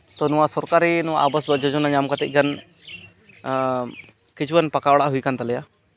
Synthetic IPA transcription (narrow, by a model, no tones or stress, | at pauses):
t̪ɔnũwasɔɾkaɾinuwaʔabəsbəd͡ʒɔd͡ʒɔnaɲamkat̪ɛc̚ˀɡan | kit͡ʃʰwənpakawɽaʔɦujkant̪alɛja